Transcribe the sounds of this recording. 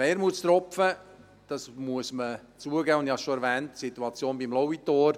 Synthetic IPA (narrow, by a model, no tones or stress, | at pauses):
eːɾmuəst̪ɾɔpfə | d̥ɑsmuəsmə | t͡suəɡɛːʊnd̪hɑʃoɛɾvɛːntsituɑt͡sjoːnbimlɔwitoːɾ